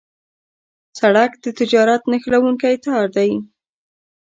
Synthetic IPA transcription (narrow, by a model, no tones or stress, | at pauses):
saɽakd̪ət̪ɪd͡ʒɑɾat̪naxlawuŋkajt̪ɑɾd̪aj